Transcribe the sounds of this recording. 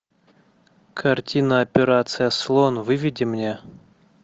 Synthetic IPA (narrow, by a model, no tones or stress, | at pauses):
kʰɐrtʲinəɐpʲɪɾat̪sɨjəslˠonvɨvʲɪdʲɪmnʲe